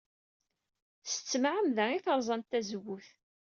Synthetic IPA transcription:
sə̥t͡sːmʕəmðæiθəɾˤzˤɑnt̪ːæzəwːʊθ

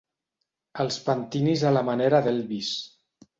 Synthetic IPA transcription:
əlˠspant̪inizalamaneɾaðelβis

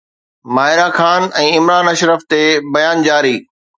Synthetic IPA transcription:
maːɦɪɾaxaːnɛ̃ːɪmɾaːnɐʃɾəft̪ebɐjaːnd͡ʑaːɾiː

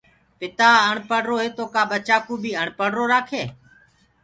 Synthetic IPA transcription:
pɪt̪aːəɳpəɽɾoːɦeːt̪oːkaːɓət͡ʃaːkuːbʱiːəɳpəɽɾoːɾaːkʰeː

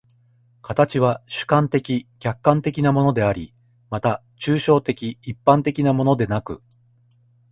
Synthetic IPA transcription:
kʰat̪at͡ɕiβaɕɨ̥kãnt̪e̞kʲiɡ̥ʲakːãnt̪e̞kʲinamo̞no̞d̪e̞aɾʲi | mat̪a | t͡ɕɨːɕo̞ːt̪e̞kʲiːpːãnt̪e̞kʲinamo̞no̞d̪e̞nakɯ̟̰

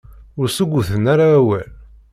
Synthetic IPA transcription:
ʊɾsəɡʷːʊθənaɾaːwæl

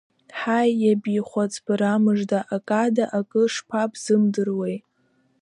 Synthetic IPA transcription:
ħajːabiχʷat͡sʼbɨɾamɨʐdaʔakʼadaʔakʼɨʂpʰapʰʼz̥ɨmdɨrwej

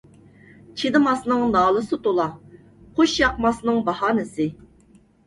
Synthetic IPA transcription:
t͡ʃʰid̪ɨmɑsnɨŋnɑːlˠɨsɨt̪olˠɑ | qʰoʃjɑqmɑsnɨŋbɑhɑːnɨsɪ

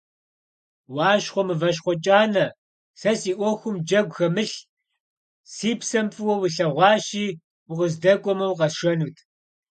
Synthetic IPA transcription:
wɑːʃχʷɔmɨvɐʃ̬χʷɔt͡ʃʼaːnɐ | sɐsiːʔʷɔxʷʊmd͡ʒɐɡʷxɐmɨɬ | siːpsɐmfʼɨwɔwiɬɐʁʷɑːʃiː | ʊqəzdɐkʷʼɔmɐwqɐsʃɐnuːtʰ

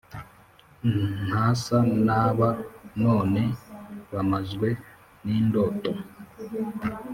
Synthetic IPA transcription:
n̥haːsanaːβano̞ːne̞βamazɡwe̞ | niːndo̞ːto̞

